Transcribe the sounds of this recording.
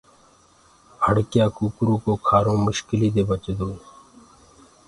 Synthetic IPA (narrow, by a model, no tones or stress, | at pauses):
həɽkjãːkuːkɾuːkoːkʰaːɾõːmʊʃkɪliːd̪eːbət͡ʃd̪oː